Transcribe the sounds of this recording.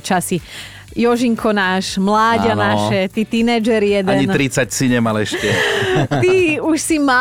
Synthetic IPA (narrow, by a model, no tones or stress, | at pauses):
t͡ʃasi | jɔʒiŋkʰɔnaːʃmlaːɟanaʃɛt̪iːt̪inɛd͡ʒɛɾijɛd̪ɛɲint̪ɾit͡sacsiɲɛmalɛʃcɛt̪iuʃsima